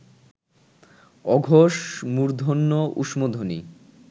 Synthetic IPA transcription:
ɔɡʱoʃmuɾd̪ʱonːoʔṵʃmod̪ʱonḭ

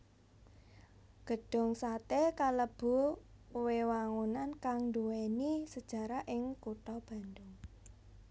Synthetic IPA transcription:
ɡ̥ə̤ɖ̥ʊ̤ŋsat̪ekaləb̥ṳwewaŋunankaŋnd̪uwenisəd̥ʒ̥a̤ɾaʔɪŋkuʈɔb̥a̤ndʊŋ

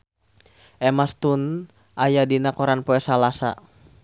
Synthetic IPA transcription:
ʔɛmast̪un | ʔajadinakɔɾanpɔɛsalasa̰

